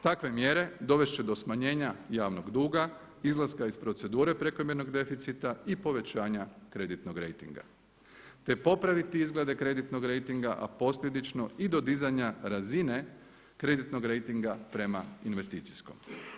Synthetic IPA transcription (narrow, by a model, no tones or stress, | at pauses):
t̪akʋe̞mje̞ɾe̞d̪o̞ʋe̞ʃt͡ɕed̪o̞smaɲe̞ːɲajaːʋnoɡd̪uːɡa | izlˠaskaispɾo̞t̪se̞d̪uːɾe̞pɾe̞ko̞mje̞ɾno̞ɡd̪e̞fit̪sit̪aipo̞ʋe̞t͡ɕaːɲakɾe̞d̪it̪no̞ɡɾe̞̰jt̪ḭŋɡa̰ | t̪e̞po̞pɾaʋit̪iizɡle̞d̪e̞kɾe̞d̪it̪no̞ɡɾe̞jt̪iŋɡaʔa̰po̞sʎʲe̞d̪it͡ʃno̞id̪o̞d̪izaɲaɾazine̞ | kɾe̞d̪it̪no̞ɡɾe̞jt̪iŋɡapɾe̞mainʋe̞st̪it̪si̥sko̞̰m